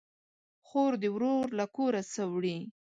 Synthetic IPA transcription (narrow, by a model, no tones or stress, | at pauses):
xoɾd̪əwɾoɾlakoɾasəwɽi